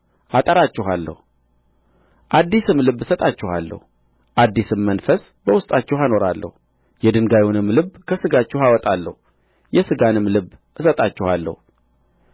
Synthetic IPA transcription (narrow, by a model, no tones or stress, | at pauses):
ʔat̪ʼəɾat͡ʃːɪɦalːə̰hu | ʔad̪ːisɨmlɨbːɨsət̪ʼat͡ʃːɪha̰lːə̰hu | ʔad̪ːisɨmːənfəs | bəwʊst̪ʼat͡ʃːɛhano̞ɾalːə̰hu | jɛd̪ɨŋɡajunɨmːlɨbkʰəsɨɡat͡ʃːɛhawɔt̪ʼalːə̰hu | jɛsɨɡanɨmlɨbːʔɨsət̪ʼat͡ʃːɪhalːə̰hu